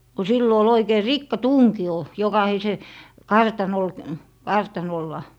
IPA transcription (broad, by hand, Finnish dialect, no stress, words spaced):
ko silːo ol oikei rikːɑtuŋkio jokɑhise kɑrtɑnol kɑrtɑnolːɑ